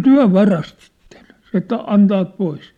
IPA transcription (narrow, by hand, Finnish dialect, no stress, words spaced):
tyæ̝ ʋɑrɑstitːe̥n̥ se etːæ ɑntɑːt pois